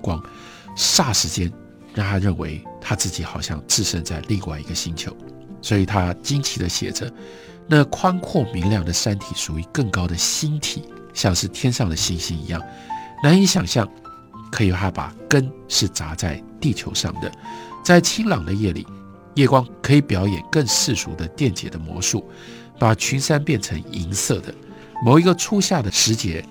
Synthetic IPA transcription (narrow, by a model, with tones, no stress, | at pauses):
kwɑ˥ŋ | ʂa˥˩ʂɻ̩˧˥t͡ɕjɛ˥n | ɻɑ˥˩ŋt̪ʰa˥ɻə˥˩nwḛ˧˥ɪt̪ʰa˥t͡sɹ̩˥˩t͡ɕi˨˥xɑ˨˩ʊɕjɑ˥˧ŋt͡sɹ̩˥˩ʂə˥nt͡sa˥˧ɪli˥˧ŋwa˥˩ɪi˧˥ɡə˧ɕi˥nt͡ɕʰjo˧˥˦ʊ | swɔ˧˥i˨˩t̪ʰa˥t͡ɕi˥nt͡ɕʰi˧˥d̪ə˦ɕjɛ̰˨˩ʈ͡ʂə˦ | na˥˨kʰwa˥nkʰwɔ˥˩mi˧˥ŋljɑ˥˩ŋd̪ə˩ʂa˥nt̪ʰi˨˩ʂu˨˩i˧˥kə˥˩ŋkɑ˥ʊd̪ə˨ɕi˥nt̪ʰi˨˦ | ɕjɑ˥˧ŋʂɻ̩˥˩t̪ʰjɛ˥nʂɑ˥˩ŋd̪ə˩ɕi˥nɕi˥nḭ˧˥jɑ̰˥˩ŋ | na˧˥ni˧˥ɕjɑ˨˩ŋɕjɑ˥˩ŋ | kʰɤ˧˥i˨˩pʰa˥pa̰˨˩kə˥nʂɻ̩˥˩t͡sa˧˥t͡sa˥˧ɪt̪i˥˩t͡ɕʰjo˧˥ʊʂɑ̰˥˩ŋd̪ə̰˩t͡sa˥˩ɪt͡ɕʰi˥ŋlɑ˨˩ŋd̪ə˦jɛ˥˩lḭ˨˩˦ | jɛ˥˩kwɑ˥ŋkʰɤ˧˥i˧˩pjɑ˧˥ʊjɛ̰˨˩nkə˥˧ŋʂɻ̩˥˩ʂṵ˧˥d̪ə˧t̪jɛ˥˩nt͡ɕjɛ̰˨˩d̪ə˦mwɔ̰˧˥ʂu˥˩ | pa˨˩t͡ɕʰy˧˥nʂa˥npjɛ˥˩nʈ͡ʂʰɤ˧˥ŋi˧˥ŋsɤ˥˩d̪ə̰˩ | mo˨˩ʊi˧˥ɡə˧ʈ͡ʂʰu˥ɕja˥˩d̪ə˩ʂɻ̩˧˥t͡ɕjɛ˧˥